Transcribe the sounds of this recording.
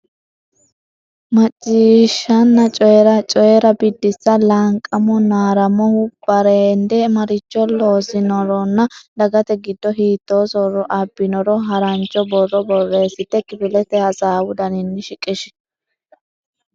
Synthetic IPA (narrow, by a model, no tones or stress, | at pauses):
mɐt͡ʃʼːiːʃːɐnːɐt͡ʃʼɔjɛɾɐt͡ʃʼɔjɛɾɐbɪd̪ːɪsːɐlɐŋkʼɐmɔnaːɾɐmɔhʊb̥ɐɾeːnd̪ɛmɐɾɪt͡ʃːɔloːsɪnɔɾɔnːɐd̪ɐɡɐt̪ɛɡɪd̪ːɔɦiːt̪ːoːsɔɾɔʔɐbːɪnɔɾɔɦɐɾɐnt͡ʃʼːɔbɔrːɔbɔrːe̞ːsɪt̪ːɛkɪbɪlɛt̪ɛhɐsaːwʊd̪ɐnɪnːɪʃɪkʼɪʃ